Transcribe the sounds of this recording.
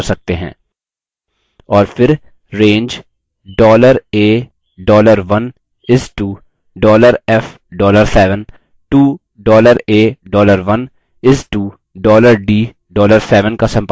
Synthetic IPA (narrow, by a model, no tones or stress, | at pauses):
ɾsɐk̚t̪eɦɛ̰̃ː | ɔːɾfɪɾ | ɾẽːɲd͡ʒ | ɖɔːləɾeː | ɖɔːləɾʋɐn | ɪsʈuː | ɖɔːləɾɛf | ɖɔːləɾsɛːʋən | ʈuː | ɖɔːləɾeːɖɔːləɾʋɐn | ɪsʈuː | ɖɔːləɾɖiː | ɖɔːləɾsɛːʋənkasɐ̃mp